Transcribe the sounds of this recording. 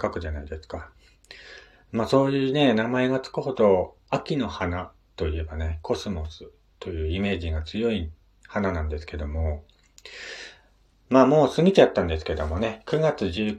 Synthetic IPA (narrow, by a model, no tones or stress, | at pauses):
kakɯ̟ʑanaid̪e̞sɨ̥ka | maːso̞ːjɯ̟ːne̞namae̞ɡat͡sɨ̥kɯ̟ɦo̞d̪o̞ | akʲino̞hana | t̪o̞ie̞bane̞kʰo̞sɨmo̞sɨ̥ | t̪o̞jɯ̟ːime̞ːʑiɡat͡sɨjo̞i | hananãnd̪e̞sɨ̥ke̞d̪o̞mo̞ | maːmo̞ːsɨŋit̪at̪ːãnd̪e̞sɨ̥ke̞d̪o̞mo̞ne̞kɯ̟ɡat͡sɨʑɨː